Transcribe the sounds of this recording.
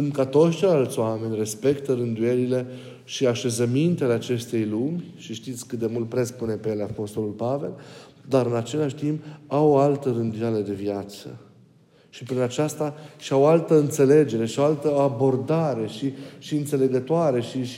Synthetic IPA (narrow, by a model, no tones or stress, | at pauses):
sɨnd̪kat̪o̞t̪sʲt͡ʃejlalt̪sʲoame̞nʲre̞spe̞kt̪əɾɨnd̪uje̞ɾile̞ | ʃiaʃe̞zəmint̪e̞le̞at͡ʃe̞st̪e̞jlumʲʃiʃt̪it̪sʲkɨt̪̚d̪emult̪̚pɾe̞spune̞pejelapo̞st̪o̞lulpave̞l | d̪aɾɨnat͡ʃe̞laʃt̪impawoalt̪əɾɨnd̪ujele̞d̪e̞vjat̪sə̰ | ʃipɾinat͡ʃast̪aʃiawoalt̪əɨnt̪se̞le̞d͡ʒe̞ɾe̞ʃio̞alt̪əabo̞rd̪aɾe̞ʃiʃiɨnt̪se̞le̞ɡət̪oaɾe̞ʃi